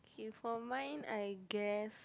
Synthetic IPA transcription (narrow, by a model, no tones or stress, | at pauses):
kʰifɔmãɪ̃naɪɡɛs